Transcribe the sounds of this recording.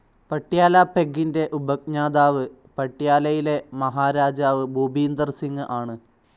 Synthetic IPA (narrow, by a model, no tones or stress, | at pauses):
pɐʈːjaːlaːpeɡinde̞ʔubɐk̚ɲaːd̪aːʋɨ | pɐʈːijaːlɐjile̞mɐɦaːɾaːd͡ʑaːʋɨbʱuːbʱiːnd̪ɐrsiŋːɨʔaːɳɨ